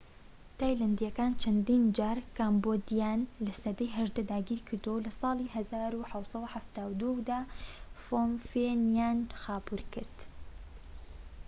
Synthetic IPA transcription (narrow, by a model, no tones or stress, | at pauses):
t̪aːjland̪ijɐkaːnt͡ʃʰɐnd̪iːnd͡ʒaːɾkaːmbod̪ijaːnlɐsɐd̪ɐjɦɐʒd̪ɐd̪aːɡiːɾkʰɨɾd̪owlɐsˤɑːlˠiɦɐzaːɾuħawsˤɐwuħaft̪aːwd̪ud̪aːfomfenjaːnxaːbuɾkɨɾd̪̥